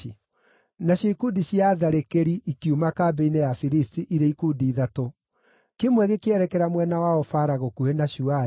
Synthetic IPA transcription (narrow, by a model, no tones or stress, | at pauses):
naɕoikudiɕjaðaɾekeɾiʔikiumakaːbeinejafiɾistiʔiɾeikudiːðato | kemwɛɣekeɛɾɛkɛɾamwɛnawaɔfaɾaɣokuenaɕua